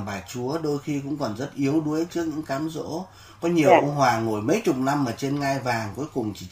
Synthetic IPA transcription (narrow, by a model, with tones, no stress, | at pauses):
ɓaː˨˩jt͡ɕu˨˦əɗo˧jxi˧kʊ̰˧˥ŋ͡mkɔ˨˩nzə˦˥t̚ʔi˨˦əwɗu˨˦əjt͡ɕɨ˦˥ək̚ɲɨ̰˧˥ŋkaː˨˦mzo̰˧˥ | kɔ˨˦ɲi˨˩əwkə̰˧ɦwaː˨˩ŋo˧˩jmə̰˨˧˥jt͡ɕʊ˨˩k͡p̚na˧mːaː˨˩t͡ɕe˧nŋa˧jvaː˨˩ŋku˨˦əjkʊ˨˩ŋ͡mt͡ɕi˧˩